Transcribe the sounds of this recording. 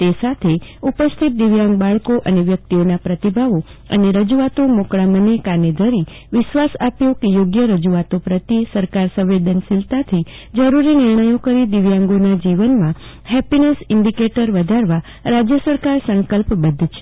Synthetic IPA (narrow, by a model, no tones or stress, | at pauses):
t̪esat̪ʰeupəst̪ʰit̪̚d̪ɪʋjãŋɡbaɭkoʔəneʋjək̚t̪ionapɾət̪ibʱaʋo | əneɾəd͡ʒuat̪omokɭamənekaned̪ʱəɾi | ʋɪʃʋasapjokejoɡjəɾəd͡ʒuʋat̪opɾət̪isəɾkaɾsə̃ʋʋed̪ənsɪlt̪at̪ʰi | d͡ʒəɾuɾinɪɾɳəjokəɾid̪iʋjãŋɡonad͡ʒiʋənmã | hɦɛpinesɪɳɖikeʈəɾʋəd̪ʱaɾʋa | ɾad͡ʒjəsəɾkaɾsəŋkəlpbəd̪ʱt͡ʃʰe̥